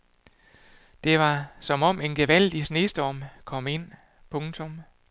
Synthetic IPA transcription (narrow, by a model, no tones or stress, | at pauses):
d̥e̝ʋɑ̈sɒ̽mɒ̽me̝nɡ̥e̝ʋæl̰d̥isne̝ːsd̥ɒmkʰɒ̽m̰e̝n̰ | pʰɔ̽ŋt͡sʰo̽m